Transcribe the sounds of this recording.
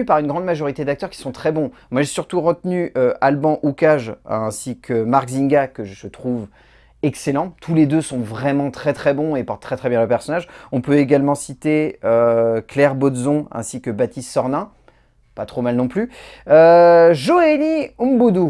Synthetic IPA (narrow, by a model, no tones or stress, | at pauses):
ypaʁynɡʁɑ̃d̪maʒɔʁit̪ed̪ak̚t̪œʁkʲi̥sɔ̃t̪χɛbɔ̃ | mwaʒesyʁt̪uʁət̪nyøʔalbɑ̃ʔukaʒɛ̃sikʰəmaʁɡziŋɡakəʒəsət̪χuv | ɛkselɑ̃t̪ʰuled̪øsɔ̃vʁɛmɑ̃t̪χɛt̪χɛbɔ̃epɔʁt̪ːχɛt̪χɛbjɛ̃ləpɛʁsɔnaʒɔ̃pøeɡalmɑ̃sit̪eøklɛʁbɔd̪zɔ̃ɛ̰̃sikəbat̪ist̪sɔʁnɛ̃ | pat̪χomalnɔ̃ply | øʒoeliumbud̪u